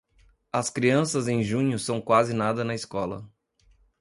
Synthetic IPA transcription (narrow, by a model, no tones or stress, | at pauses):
ɐskɾiɐ̃sɐzẽj̃ʒũɲʊsɐ̃w̃kwazɪnad̪ɐnɐɪskɔlɐ̰